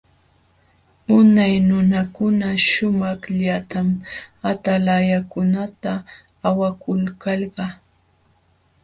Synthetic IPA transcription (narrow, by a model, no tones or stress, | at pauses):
ʊnajnʊnakʊnaʃʊmɑχʎat̪amat̪alajakʊnat̪aː | wakʊlkɑlɢɑ